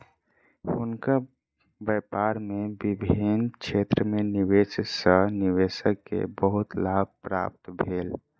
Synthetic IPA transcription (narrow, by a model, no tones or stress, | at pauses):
ʊnka | bɛpaɾmebibʱint͡ʃʰet̪ɾəmeniʋet͡ʃsəniʋesəkːḛbəɦut̪lab̚pɾa̰p̚t̪bʱeːl